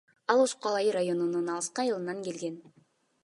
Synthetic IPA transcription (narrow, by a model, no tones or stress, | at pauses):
ɑlˠuʃqɑlˠɑjɯɾajo̞nununɑlˠɯsqɑjɯlˠɯnɑŋke̞lɡe̞n